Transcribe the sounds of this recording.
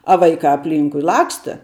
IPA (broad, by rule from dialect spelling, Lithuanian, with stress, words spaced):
ɐ ˈʋɐɪkɑː ɐpʲˈlʲiːŋkʊɪ ˈlˠɑːkstɐ